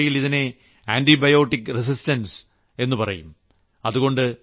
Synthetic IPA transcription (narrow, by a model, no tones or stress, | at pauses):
jiliðine̞ | aːndibɐjo̞ːʈːikːɨris̬istɐns | e̞nːupɐrɐ̰jum | ɐðuɣo̞ɳɖɨ